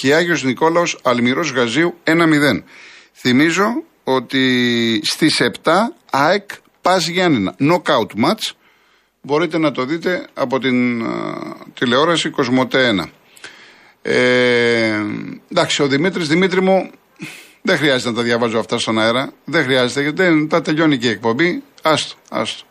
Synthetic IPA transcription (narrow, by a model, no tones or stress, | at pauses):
ceɐʝo̞zniko̞lɐo̞sɐlmiɾo̞zɣɐziue̞nɐmiðe̞n | θimizo̞ | o̞t̪ist̪ise̞pt̪ɐ | ɐek | pɐzʝɐnenɐ̰no̞kɐut̪mɐt͡s | bo̞ɾit̪e̞nɐt̪o̞ðit̪e̞ɐpo̞t̪in | t̪ile̞o̞ɾɐsiko̞zmo̞t̪eenɐ̰ | e | d̪ɐksio̞ðimit̪ɾizðimit̪ɾimu | ðe̞xɾiɐzet̪enɐt̪ɐðʝɐvɐzoɐft̪ɐst̪o̞nɐeɾɐðe̞xɾiɐze̞t̪eɐt̪et̪ɐt̪eʎo̞niciek̚po̞mbiɐst̪o̥ɐ̰st̪o̥